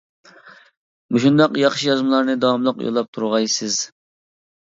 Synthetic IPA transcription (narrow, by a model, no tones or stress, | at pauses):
muʃund̪ɑqjɑχʃijɑzmɨlˠɑɾnɨd̪ɑwɑmlˠəqjo̰lˠːɑp̚t̪ʰuɾʁɑjsɪz̥